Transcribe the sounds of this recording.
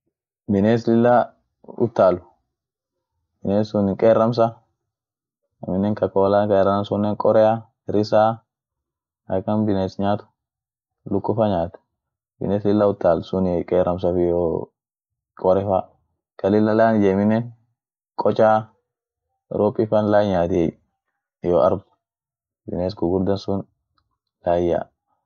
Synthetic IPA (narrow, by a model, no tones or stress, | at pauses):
bɪneːs̬lɪlːa | ʊ̰t̪ːaːlʊ̥ | b̥ɪneːsʊnɪkʼeːrːɐms̬ɐ | ɪmɪnːɛŋkɐkʼoːlaːkɐɛɾɐnɐnsʊnːeːŋkʼɔɾɛjɐ | ɾɪsaː | ɐkːɐnbɪneːsɲaːt̪ʊ̥ | lʊkːʊfɐɲaːt̪ɛ̥ | bɪ̰neːslɪlːɐʊt̪ːaːlsʊnɛkʼɛɾɐms̬ɐfɪjoː | kʼɔɾɛfa | kɐlɪlːɐlaːnɪd͡ʒɛmɪnːɛn | kʼɔt͡ʃʼaː | ɾopʼːɪfɐnlajɲaːt̪e | jɔːʔɐ̰ɾb | bɪneskʊɡʊɾd̪ɐnsʊn | laːja̰ː